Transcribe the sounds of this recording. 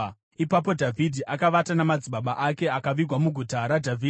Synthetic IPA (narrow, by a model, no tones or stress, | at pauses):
ipap̬o̞dʱavʱidʱiʔakaʋatanamad͡ziɓaɓaʔake̞akaʋiɡʱwamuɡʱutaɾadʱavʱiː